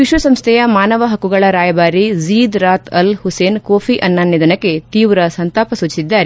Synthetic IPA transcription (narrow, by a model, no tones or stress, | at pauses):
ʋiʃʋɐsɐmst̪ʰɛjɐmaːnɐʋɐɦɐkːuɡɐɭɐɾaːjɐbaːɾiziːd̪ɾaːt̪ʰɐlhuseːnkoːpʰiʔɐnːaːnːid̪ɐnɐkːe̞t̪iːʋɾɐsɐnt̪aːpɐsut͡ʃisid̪ːaːɾe